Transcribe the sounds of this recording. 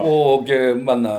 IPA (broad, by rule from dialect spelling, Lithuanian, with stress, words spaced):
ˈoː ˈɡʲɪ ˈmɑːnɐ